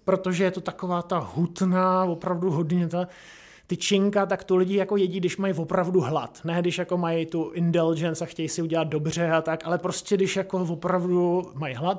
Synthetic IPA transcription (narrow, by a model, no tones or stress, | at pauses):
pɾot̪o̞ʒɛjɛt̪o̞t̪akovaːt̪aɦut̪naːvo̞pɾavduɦo̞dɲɛt̪a | t̪ɪt͡ʃɪŋkat̪̬akt̪olɪɟɪjako̞jɛɟidɪʃmajvo̞pɾavduɦlat̪nɛːdɪʃjako̞majt̪uʔɪntɛld͡ʒɛnsaxcɛjsɪuɟɛlat̪̚do̞br̝ɛat̪akʔalɛpɾoscʲɛdɪʃjako̞vo̞pɾavdumajɦlat̪